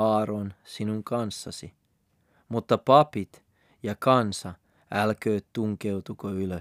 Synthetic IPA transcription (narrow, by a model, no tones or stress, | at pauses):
ɑːronsinuŋkɑnsːɑ̰si | mut̪ːɑpɑpit̪ | jɑkɑnsɑ | ælkøːt̪t̪uŋkeut̪ukoylø